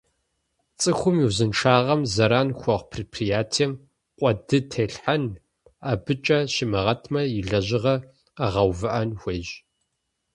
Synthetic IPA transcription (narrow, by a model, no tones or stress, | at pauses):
t͡sʼɨxʷʊmiwzɨnʈ͡ʂaːʁɐmzɐɾaːnxʷɔʁpʰripʰrijaːtʰɛm | qʷʼɔdɨtʰeːɬħan | aːbɨt͡ʃʼɐʃɪmɨʁɐtʰmɐjɪɮɐʑɪʁɐ | aʁɐwvɨʔɐnxʷeːʒ